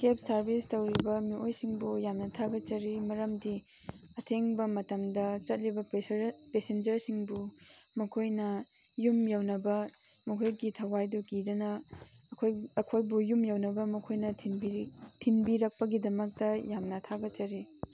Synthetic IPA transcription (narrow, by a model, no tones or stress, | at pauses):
kep̚sɐɾbistɐwɾibɐmiʔojsiŋbujamnɐtʰaɡɐt͡ʃɐɾimɐɾɐmdi | ɐtʰeŋbɐmɐtɐmdɐt͡ʃɐt̚ɾibɐpesend͡ʒɐɾsiŋbu | mɐkʰojnɐ | jumjawnɐbɐ | mɐkʰojɡitʰɐwajdukidɐnɐː | kʰojɐkʰojbujumjawnɐbɐmɐkʰojnɐtʰibitʰinbiɾɐk̚pɐɡidɐmɐk̚tɐjamnɐtʰaɡɐt͡ʃɐɾi